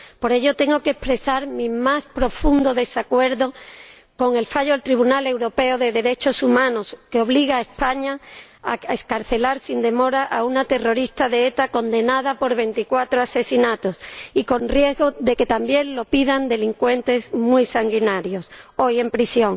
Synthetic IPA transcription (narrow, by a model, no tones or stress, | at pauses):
po̞ɾe̞ʝo̞t̪e̞ŋɡo̞kespɾe̞saɾmĩmaspɾofund̪o̞ðe̞sakwe̞ɾðo̞ | ko̞ŋe̞lfaʎoelt̪ɾiβ̞unale̞wɾo̞pe̞oðe̞ðe̞ɾe̞t͡ʃo̞sumãno̞skeo̞β̞liɣaespaɲa | aeskaɾθe̞laɾsind̪e̞mo̞ɾaʔaunat̪e̞ro̞ɾist̪aðeet̪ako̞nd̪e̞naðapo̞ɾβe̞nt̪ikwat̪ɾoase̞sinat̪o̞siko̞nrje̞zɣo̞ðe̞ke̞t̪ambje̞ŋlo̞piðand̪e̞liŋkwe̞nt̪e̞smwisaŋɡinaɾjo̞so̞je̞mpɾisjo̞ŋ